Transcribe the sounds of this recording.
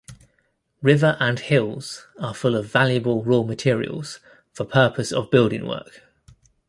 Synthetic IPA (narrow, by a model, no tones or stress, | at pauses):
ɹɪvəɹʔə̃nhɪlˠz̥əfʊləvaljəbəlˠɹɔːmətʰɪəɹḭə̰lˠz̥ | fəpʰɜˑpʰəsə̰vbɪlˠdɪ̰̃ŋwɜ̰ˑk